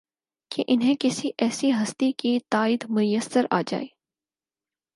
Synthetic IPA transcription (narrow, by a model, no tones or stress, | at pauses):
kʰeʔɪnɦẽkɪsiʔɛːsiɦɐst̪ikit̪aːɪd̪mʊjəsəɾa̰ːd͡ʒa̰ːeː